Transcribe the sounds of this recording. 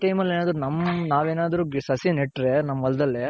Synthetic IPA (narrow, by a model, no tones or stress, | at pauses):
ʈɐjmɐlːeːnaːd̪ɐɾunɐmːnaːʋeːnaːd̪ɐɾuːɡsɐsineʈɾenɐmːɐʋɐlɐd̪ɐlːe